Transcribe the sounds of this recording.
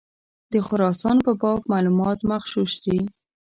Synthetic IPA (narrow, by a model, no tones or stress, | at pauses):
d̪̥əxʊɾɑsɑnpəbɑb̚mɑlumɑt̪maxʃuʃd̪i